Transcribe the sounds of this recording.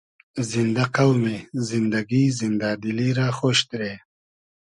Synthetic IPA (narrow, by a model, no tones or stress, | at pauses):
zind̪aqawmezind̪ɐɡizind̪aːd̪iliɾaːxoːɕt̪ɾeː